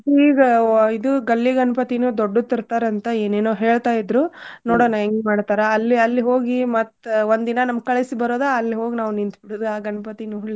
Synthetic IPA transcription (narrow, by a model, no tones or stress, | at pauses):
iːɡɐid̪uɡɐlːiɡɐnɐpɐt̪inuːd̪oɖːut̪iɾt̪aːɾɐnt̪ɐeːneːnoːɦe̞ːɭt̪aːjid̪ɾunoːɽoːnɐeŋɡmaːɽt̪aːɾeɐlːiɐlːiɦo̞ːɡimɐt̪ːʋond̪d̪inɐnɐmɡ̚kɐɭisibɐɾoːd̪ɐɐlːiɦo̞ːɡinaːʋunint̪biɽuːd̪uaːɡɐnɐpɐt̪inuuɭːi